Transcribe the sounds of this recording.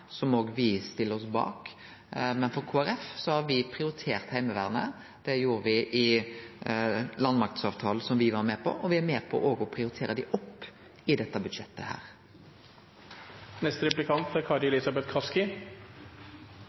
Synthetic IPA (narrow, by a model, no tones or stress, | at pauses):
sɔmoːɡʋɪst̪ɪlːəɾɔsbɑ̰ːk | mɛnfɔɾkʰuːæɾɛfsɔhɑɾʋɪpʰɾɪʊɾɪt̪ʰeːʁt̪hæɪməʋæːʁnə̰ | d̪̥ɛjuːɾəʋɪʔɪ | lɑnmɑk̚t̪sɑːʋt̪ʰɑːləsɔmʋɪʋɑɾmeːpʰɔ̰ʔɔʋɪæɾmeːpʰɔ̰ʔoːɡɔpʰɾɪʊɾɪt̪ʰeːɾəd̪ɪʔɔpː | ɪd̪ɛt̪ːəbʉd̪ʂɛt̪ːə̰hæ̰ːɾ | nɛst̪əɾɛplɪkʰɑnt̪æɾkʰɑd̪ɪɛlɪsɑbɛt̪kʰɑskɪ